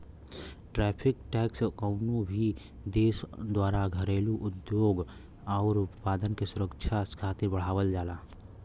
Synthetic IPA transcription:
ʈɾɛːpʰɪkʈɛːkskəʊnõbʱi | d̪eːsd̪waːɾaɡʱəɾeːluʔʊd̪joːɡ | ɔːɾʊp̪paːd̪ənkesʊɾəkʃʰaskʰaːt̪ebəɽ̤aːʋəld͡ʒaːlaː

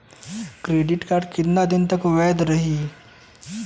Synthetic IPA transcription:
kɾeɖiʈkaɾɖkid̪nad̪int̪əkʋɛd̪ɾəɦi

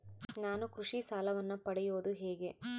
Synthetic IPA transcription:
naːnukɾuʂisaːlɐʋɐnːupɐɽɛjoːd̪uɦeːɡe̞

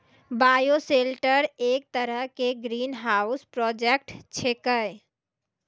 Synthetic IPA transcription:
baːjoselʈəɾeːk̚t̪əɾəɦkeɡɾiːnɦaːʊspɾɔːd͡ʒek̚ʈt͡ʃʰekə

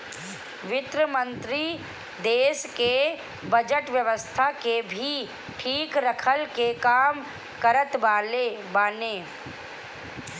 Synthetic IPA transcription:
ʋɪt̪ɾəmə̃nt̪ɾi | d̪eːske | bɐd͡ʒəʈʋjəʋəst̪ʰakebʱi | ʈʰiːkɾəkʰəlkekaːm | kəɾət̪ʋaːlebaːnẽː

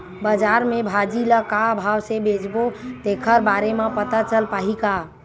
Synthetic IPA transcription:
bəd͡ʒaɾmebʱad͡ʒiləkaəbʱawsebed͡ʒbot̪ekʰəɾbaɾemepət̪at͡ʃəlpaɦika

